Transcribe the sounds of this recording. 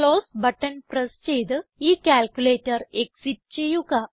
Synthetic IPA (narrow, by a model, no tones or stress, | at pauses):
kloːsbɐʈːɐnpɾest͡ɕejt̪ɨiːkʲaːlkʲuleːtɐɾeksiʈ̚t͡ɕejuɡa